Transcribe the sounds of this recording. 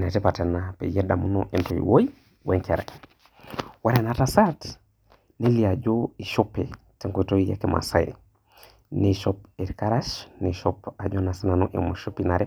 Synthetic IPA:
netepatenapḛjedamuno̰ʔentojḭwoj | weŋkeɾa̰ | waɾenatasat | neliad͡ʒoiʃope | teŋkoitoija̰kemʔa̰sa̰jḛ | neʃopeɾkaɾaʃneʃopad͡ʒonasinanuʔḛmoʃopinaɾe

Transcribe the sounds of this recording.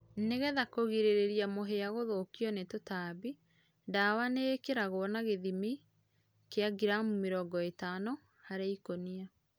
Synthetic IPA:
neɣɛðakoɣiɾeɾeɾiamoɦeaɣoðokiɔnetotabi | dawanekeɾaɣoɔnaɣeðimi | keaɡiɾamumeɾɔːɡɔetanɔ | haɾeikonia

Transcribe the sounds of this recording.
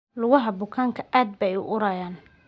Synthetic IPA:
lʊɣɐɦɐbʊkʰaːŋkʰɐ̥ʔaːd̪̚bɛjʊ̰ʔʊɾaːjaːn

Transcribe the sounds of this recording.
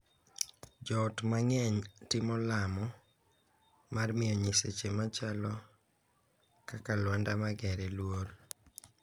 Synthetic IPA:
d͡ʒɔtmaŋɛɲtɪmɔlamɔ | marmɪjɔɲiset͡ʃemat͡ʃalɔ | kakalwandamaɡɛɾɛlwor

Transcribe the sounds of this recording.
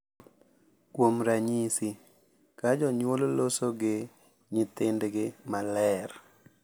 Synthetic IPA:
kwomɾaɲisi | kad͡ʒɔɲwololosoɡɪ | ɲɪt̪ɪndɡɪmalɛr

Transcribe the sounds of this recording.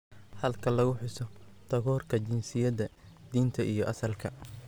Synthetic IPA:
hɐlkʰɐlɐɣʊħɪsɔt̪ʰɐɣɔːrkʰɐt͡ʃɪnsɪjɐðɐd̪̥iːnt̪ʰɐʔijɞʔɐsɐlkʰɐ

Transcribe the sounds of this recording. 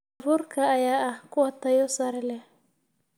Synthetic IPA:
vuɾkaːjaʔakuat̪ajɔsaɾɛlɛ

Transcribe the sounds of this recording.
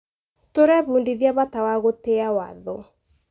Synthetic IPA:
toɾɛβuːndiðjaβatawaɣoteawaðo

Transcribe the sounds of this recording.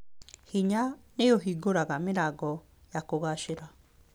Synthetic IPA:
hiɲanejoɦiɡoɾaɣameɾaɡɔ | jakoɣaʃeɾa

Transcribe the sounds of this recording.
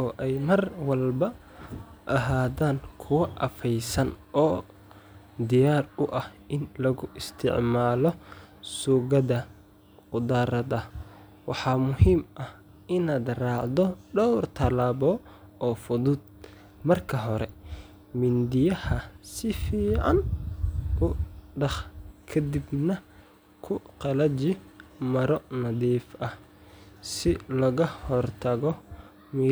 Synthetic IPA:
ʔɔːʔɛjmɐrwɐlbɐ | ʔɐɦaːðaːŋkʰʊwɐʔɐ̰fɛjsɐnɔː | d̪ɪjaːrʊʔɐhʔɪnlɐɣʊʔɪst̪ʰɪ̰ʕmaːlɔsuːɣɐðɐ | qʊd̪aːɾɐðɐ | wɑħɑːmʊhiːmʔɐh | ɪnaːd̪raːʕd̪ɔɖɔwrt̪ʰɐlaːbɔː | ɔːfʊðʊd̪̚ | mɐrkʰɐɦɔɾɛ | mɪnd̪ɪjɐhɐsɪfiːʕɑn | ʊɖɑχkʰɐd̪ɪbnɐ | kʰʊqɑlɐt͡ʃɪmɐɾɔnɐðiːfʔɐh | sɪlɐɣɐhɔrt̪ʰɐɣɔ | mi

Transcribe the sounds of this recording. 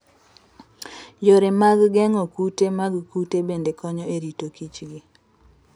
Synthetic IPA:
joɾemaɡɡɛŋɔkutemaɡkutebendekɔɲɔeɾitokit͡ʃɡi

